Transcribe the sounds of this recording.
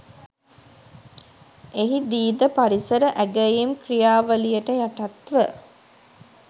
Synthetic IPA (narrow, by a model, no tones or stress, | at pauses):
eɦid̪iːd̪əpaɾisəɾəʔæɡəjimkrijaːʋəlijəʈəjaʈat̪ʋə